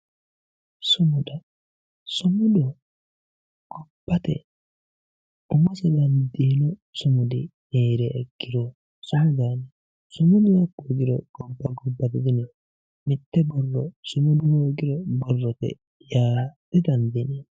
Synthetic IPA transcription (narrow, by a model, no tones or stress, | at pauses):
sʊmʊd̪ɐ | sʊmʊd̪ɔ | ɡ̥ɔb̥ːɐt̪ɛ̰ | ʊmɔsɛd̪ɐnd̪iːnʊsʊmʊd̪ɪneːɾɛːɡːɪɾɔ | sʊmʊd̪anɛ | sʊmʊd̪ɔɛɡoɡɪɾɔɡ̥ɔbːɐɡɔbːɐt̪ɛd̪ɪnɛ | mɪt̪ːɛbɔrːɔsʊmʊd̪ʊhoːɡɪɾɔbɔrːɔt̪ɛ̰ | jaːd̥ɛd̪ɐnd̪ɪnɛ